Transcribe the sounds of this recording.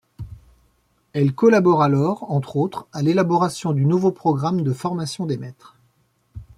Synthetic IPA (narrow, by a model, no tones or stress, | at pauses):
ɛlkɔlabɔʁalɔʁɑ̃t̪χot̪χalelabɔʁasjɔ̃d̪ynuvopχɔɡʁamd̪əfɔʁmasjɔ̃d̪emɛt̪χ